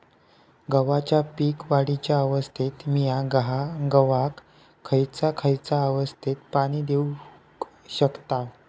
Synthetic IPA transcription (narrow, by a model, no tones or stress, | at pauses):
ɡəʋat͡ɕjapiːkʋaɽit͡ɕjaəʋəst̪ʰit̪mijaɡɦaɡəʋakʰː | əjt͡sakʰəjt͡saəʋəst̪ʰit̪paɽ̃iːd̪eu | ɕəkt̪aʋ